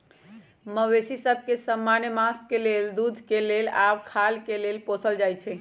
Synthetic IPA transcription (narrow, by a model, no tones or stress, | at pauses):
məwesisəb̚ʱkesəmːanjəmaskeleld̪ud̪ʱkelela̰bkʰalkelelposəld͡ʒajt͡ʃʰɛ